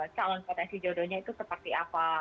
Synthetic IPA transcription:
t͡ʃalɔnpɔrdasid͡ʒodoɲait̪usəpərt̪iapa

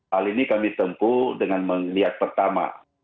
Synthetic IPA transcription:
alinikamit̪əmpudəŋanməŋliɦat̪̚pərt̪ama̰

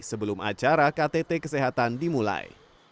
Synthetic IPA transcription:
səbəlʊmʔa̰t͡ʃaɾakat̪et̪ekəseɦat̪andimula̰j

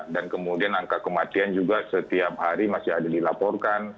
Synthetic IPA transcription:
dankəmudianaŋkakəmat̪iand͡ʒuɡasət̪iap̚haɾimasɪadadilapɔrkan

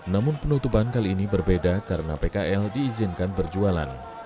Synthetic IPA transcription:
namʊnpənut̪upankaliːnibərbedakaɾənapekaʔɛldiːzɪnkanbərd͡ʒuala̰n

